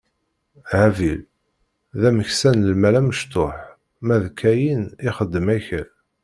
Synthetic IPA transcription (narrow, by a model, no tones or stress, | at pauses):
ʕævil | ðæməçsænəlmælæməʃt̪ʊħ | mæðkʰːæjiniχəd̪ːəmæçəl